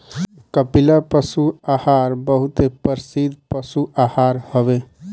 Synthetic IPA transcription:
kəpilapəsuahaɾbəɦut̪epəɾsid̪ʱpəsuʔahaɾhəbe

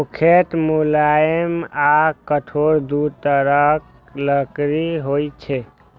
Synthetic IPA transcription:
okʰeʈ̪mulamakəʈʰoɾd̪ut̪əɾək | ləkɾiɦojt͡ʃʰɛ

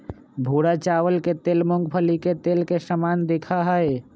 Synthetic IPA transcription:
bʱuːɽat͡ʃaːʋəlket̪eːlmʊ̃ŋɡpʰəliket̪eːlkesəmaːnd̪eːkʰaɦae

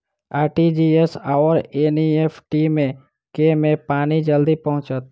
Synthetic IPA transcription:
aːʈid͡ʒiesaːʋəɾeːniepʰʈimẽ | kemẽpaːnid͡ʒəld̪ipɐɦʊ̃t͡ʃət̪̚

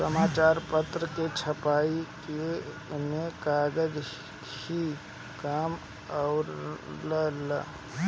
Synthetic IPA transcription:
səmaːt͡ʃaːɾpət̪ɾəket͡ʃʰəpaːike | mẽkaːɡəd͡ʒ | hi | kaːm | aʊɾləla̰

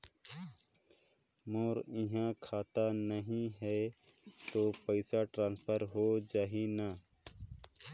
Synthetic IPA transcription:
moːɾĩɦãkʰaːt̪anəɦĩɦeː | t̪oːpəsaːʈɾãːnspʰəɾɦoːd͡ʒaːɦinã

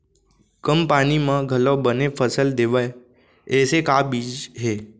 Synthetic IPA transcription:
kəmpaːnimãɡʱəlobənepʰəsəld̪eːʋə | ɛːsekaːbiːd͡ʒɦeː

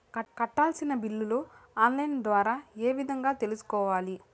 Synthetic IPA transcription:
ɐkɐʈːaːlsinɐbilːuloaːnlɐjnd̪ʋaːɾaːeːʋid̪ʱɐŋɡaːt̪e̞lusu̥kɔːʋaːli

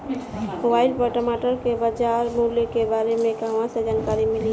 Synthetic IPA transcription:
mobaːɪlpəʈəmaːʈəɾkebad͡ʒaɾmuljəkebaːɾemẽkɦɐʋãsed͡ʒaːnkaːɾimɪli

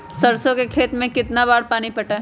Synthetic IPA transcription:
sɐɾsõkekʰeːt̪mẽkɪt̪nabaːɽpaːnipɐʈa

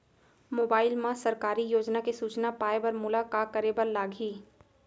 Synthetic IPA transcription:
moːbaːɪlmãsɐɾkaːɾijoːd͡ʒnakesuːt͡ʃnapaːebɐɾmʊlaːkaːkəɾebɐɾlaːɡʱiː

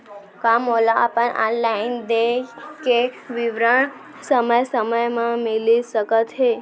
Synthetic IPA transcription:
kamːola̰pəɳa̰nlaind̪ekeʋiʋɾəɳ̃ | səməjsəməjmãmelisəkət̪ɦe

